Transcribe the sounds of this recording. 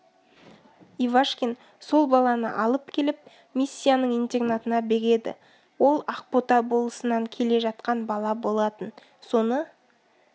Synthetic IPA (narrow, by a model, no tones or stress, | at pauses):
ivaʃkʲen | so̞lˠbɑlˠɑnə̰ʔɑlˠəpkʲʰe̞lɪp̚ | misʲːijanəɴijnt̪e̞ɡnat̪ənɑbe̞ɾe̞d̪ɪ̰ | wo̞lˠaq̚pot̪ɑbo̞lˠəsənɑŋkʲʰe̞le̞ʒɑt̪̚qɑnbɑlˠɑbo̞lˠɑt̪ən | so̞nə